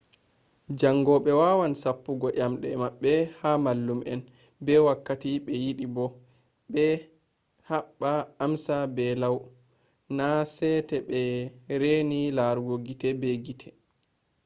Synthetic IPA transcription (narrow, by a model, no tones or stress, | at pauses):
d͡ʒaŋɡɔɓɛwaːwansapːuɡɔʔamɗɛmaɓːɛhamalːumʔɛn | bɛwakːatiɓɛjiɗibɔ | ɓɛ | haɓːaːmsabɛlaw | nasɛtɛɓɛɾenilaɾɡoɡitɛbeɡitʰɛ̥